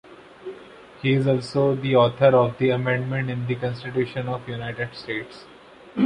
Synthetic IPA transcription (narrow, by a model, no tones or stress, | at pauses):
hiːɪzɔːlsoːd̪iɔːt̪ʰəɾɔːʋd̪iɐmɛ̃ɳɖmẽɳʈɪ̃nd̪ikɔ̃nsʈɪʈjuːʃə̃nɔːʋjunaɪʈeɖsʈeːʈs